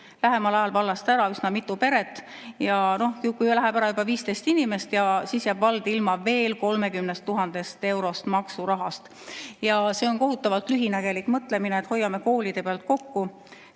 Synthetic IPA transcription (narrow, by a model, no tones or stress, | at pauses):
læɦe̞mɑlɑjɑlvɑlːɑst̪æɾɑysnɑmit̪ːˑupe̞ɾe̞t̪ˑː | jɑno̞hkukujlæɦeb̥æɾɑjubɑviːst̪ejst̪inime̞st̪jɑsiːsjæːbvɑld̪̥ilmɑve̞ːlko̞lme̞kymnest̪ːuɦɑnd̪̥e̞st̪e̞wɾo̞st̪mɑksuɾɑɦɑst̪ | jɑse̞ːo̞nko̞ɦut̪ːˑɑvɑlt̪ˑlyɦinæɡe̞likmɤt̪ˑle̞mineet̪ho̞jːɑme̞ko̞ːlid̪̥e̞peɑlt̪̚ko̞kːu